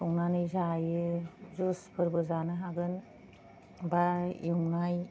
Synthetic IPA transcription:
ɔŋnanɯzajɯzuspʰɯɾbɯzanɯɦaɡɯn | baḭmnaj

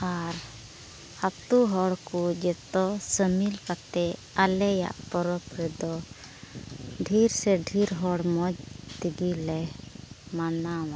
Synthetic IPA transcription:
aɾ | hat̪uɦɔɽkud͡ʒɛt̪ɔsəmilkat̪ɛ | alɛja̰ʔpɔɾɔpɾɛd̪ɔ | ɖʱiɾsɛɖʱiɾɦɔɽmɔd͡ʒt̪iɡilɛ | manawã

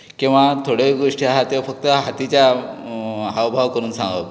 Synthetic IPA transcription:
kĩw̃ʋat̪ʰoɽeɡoʂʈiaɦat̪efək̚t̪əɦat̪it͡ɕja | awbʱaʋkəɾuːnsãŋɡə̰

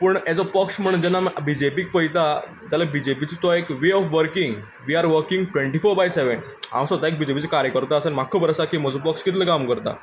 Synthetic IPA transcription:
pəɳɛd͡zɔpəksm̤əɽ̃und͡ʑɛnːambid͡ʑepiːk̚pəjt̪a | d͡zalabid͡ʑepit͡sit̪ɔekʋeɔfʋəɾkĩŋɡ | ʋiːaɾʋəɾkĩŋɡʈʋẽɳʈifoɾbajseʋəɳ | ɦa̰msʋət̪aek̚bid͡ʑepit͡sekaɾjəkəɾt̪əəsənm̤akʰːopəɾəsakiːm̤əd͡zopəkskit̪ʰləkamkəɾt̪a̰

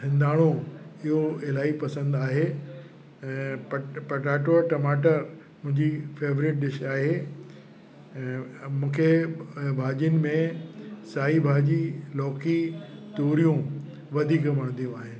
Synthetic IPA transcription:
sɪ̃nd̪ʱaːɽ̃õɪɦoɪlaːipɐsə̃nd̪aːɦe | pɐpɐʈaːʈoɾʈɐmaːʈəɾ | mʊ̃ɦɪ̃ɲd͡ʑifeːʋɾɪʈ̚ɗɪʃaːɦe | mũːkʰebʱaːd͡ʑənɪ̆mẽsaːɦibʱaːd͡ʑilɔːkit̪oːɾijũ | ʋɐd̪ʱiːkʋɐɽ̃nd̪ijũaːɦeːn

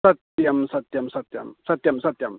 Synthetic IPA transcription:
sɐt̪jɐmsɐt̪jɐmsɐt̪jɐ̰msɐt̪jɐmsɐt̪jɐm

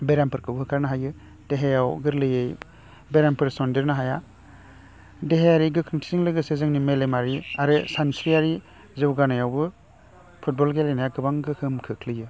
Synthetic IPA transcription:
beɾampʰɯɾkʰɯwbɦɯkʰaɾnaɦajɯ | d̥eɦejawɡɯɾlɯjej | beɾampʰɯɾsɔndeɾnaɦaja | deɦejaɾiɡɯkʰɯŋtʰisiŋlɯɡɯsezɯŋnimelemaɾiaɾɯsansɾiaɾi | zɯwɡanajawbɯ | pʰut̚bɔlɡelejnajaɡɯbaŋɡɯkʰɯmkʰɯkʰlɯjɯ

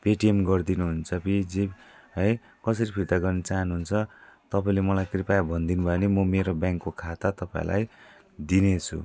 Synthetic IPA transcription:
peʈiemɡʌrd̪inuɦunt͡sʰʌpid͡zib | ɦʌj | kʌsʌɾipʰit̪aɡʌrnet͡saɦʌnuɦunt͡sʰʌt̪ʌpaĩlemʌlajkripajbʱʌnd̪inubʱʌenemʌmeɾobjaŋkːokʰat̪at̪ʌpã̰ḭ̃lʔa̰j | d̪inet͡sʰṵ

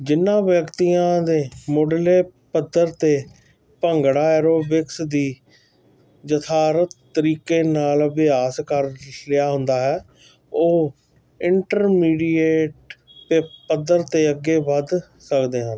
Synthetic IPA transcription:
d͡ʒɪnːãːʋjəkt̪ijãːd̪eːmoːɖleːpəd̪əɾt̪eː | pəŋɡɽaːɛːɾoːbɪksd̪iː | d͡ʒət̪ʰaːɾət̪ːəɾiːkeːnaːlʋɪjaːskəɾlɪaːɦʊnd̪aːɦɛː | oː | ɪɳʈəɾmiːɖieːʈpepəd̪əɾt̪eːəɡːeːʋəd̪ | səkd̪eːɦə̃n

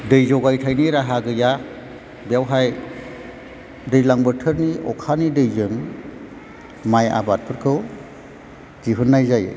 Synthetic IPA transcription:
dɯjzɔɡajtʰajniɾaɦaɡɯja | bjawɦaj | dɯjlaŋbɯtʰɯɾniɔkʰanidɯjzɯŋ | maja̰bat̚pʰɯɾkʰɯw | d͡ʒiɦunːajzaj̰

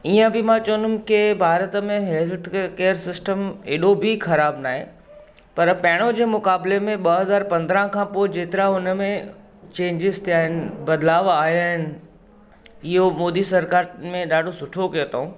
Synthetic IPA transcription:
iːə̃bɪmãt͡ɕɐʋə̃nd̪ʊmkɪbʱaːɾət̪əmẽɦɛlt̪keːəɾsɪsʈəmeːɗobʱixɐɾaːbnaːɦḛ | pɐɾpɐɦɪɽ̃od͡ʑeːmʊkaːblemẽɓɐɦɐzaːɾpɐ̃nd̪ɾə̃kʰãːpoːɪd͡ʑeːt̪ɪɾaʊnəmẽ | t͡ɕẽːɲd͡ʑɪzt̪ʰijaːɦɪnɪ̆bɐd̪laːʋaːjaːɦɪnɪ̆ | ɪɦomoːd̪isɐɾkaːɾmẽɗaːɖʱosʊʈʰokɐjot̪ʰaɦũː

